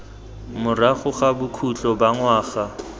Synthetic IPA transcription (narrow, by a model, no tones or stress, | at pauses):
mʊraχʊχabʊkʰut͡ɬɔbaŋwaːɣa